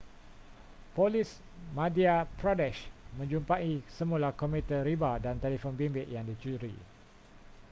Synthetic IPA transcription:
polis | mãdiapɾodɛʃmə̃ɲd͡ʒumpaisəmũlakomit̪əɾibadant̪elifonbimbɪʔjaŋdit͡ʃuɾḭ

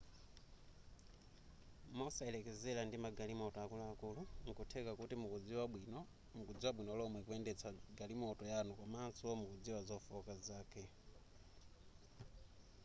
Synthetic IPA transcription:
mɔsailɛkɛzɛlandimaɡalimɔtɔakulaːkuluŋ̩kutʰɛkakutimukud͡ziwaɓwinɔ | mukud͡ziwaɓwinɔlɔmwɛkuɛndɛt͡sʰaɡalimɔtɔjanukwamaːnsuɔmukud͡ziwazɔfɔkazaːkʰɛ

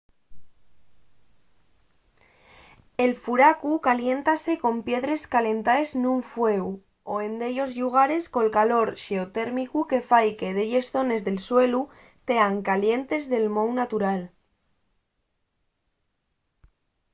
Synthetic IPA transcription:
e̞lfuɾakukalje̞nt̪ase̞ko̞mpje̞ðɾe̞skale̞nt̪aesnuɱfwe̞u | oe̞nd̪e̞ʎo̞zʎuɣ̞aɾe̞sko̞lkalo̞ɾʃe̞ot̪e̞ɾmikuke̞fajke̞ðeʎe̞sθo̞ne̞zðe̞lswe̞lu | t̪e̞aŋkalje̞nt̪e̞zðe̞lmo̞wnat̪uɾal

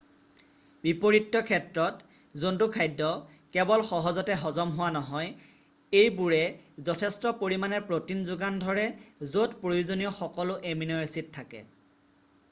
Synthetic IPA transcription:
bipoɹitːɔkʰɛtɹɔt | zontukʰajdːɔ | kɛbɔlxɔɦɔzɔtɛɦɔzɔmɦʊwanɔɦɔj | ejbuɹɛzɔtʰɛstɔpoɹimanɛɹpɹotinzʊɡandʱɔɹɛzotpɹojuzonijɔxɔkɔlʊʔeminɔjesitʰːakɛ̰

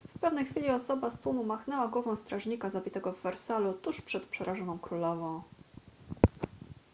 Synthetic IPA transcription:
fpɛvnɛjxfʲilʲiɔsɔbast̪wumumaxnɛwaɡwɔvɔ̃w̃st̪ɾaʐɲikazabʲit̪ɛɡɔvːɛɾsalut̪uʂpʂɛt̪̚pʂɛɾʔaʐɔnɔ̃w̃kɾulɔvɔ̃w̃

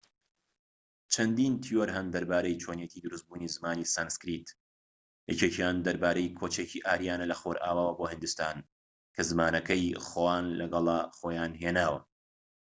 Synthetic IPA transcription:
t͡ʃʰɐnd̪iːnt̪ʰijoɾɦɐmd̪ɐɾbaːɾejt͡ʃʰoːnjet̪ʰiːd̪ɨɾust̪̚buːnizɨmaːnisanskɾit̪ | jɛ̰t͡ʃetʰjaːnd̪ɐɾbaːɾejkʰoːt͡ʃeciːʔaːɾijaːnɐlɐxoɾʔa̰ːwaːwɐbohɨnd̪ust̪aːn | kʰɐzɨmaːnɐkɐjxowaːnlɐɡɐlˠɐχoːjaːnɦeːnaːwɐ

